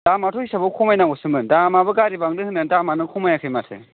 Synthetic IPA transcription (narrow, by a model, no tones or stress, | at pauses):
damatʰɔhisʰabɔkʰɔmajnaɡɔsɯmɯndamabɯɡaɾibaŋdɯhɯnɯndamanɯkʰɔmajakʰajmasʰḛ